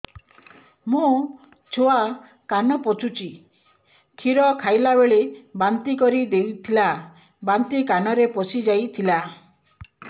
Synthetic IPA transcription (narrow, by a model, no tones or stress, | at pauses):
mũ | t͡ʃʰoa | kanɔpɔt͡ʃut͡ʃi | kʰiɾɔkʰajlabeɭebant̪ikɔɾid̪ewt̪ʰila | bant̪ikanɔɾepɔsid͡ʒajt̪ʰila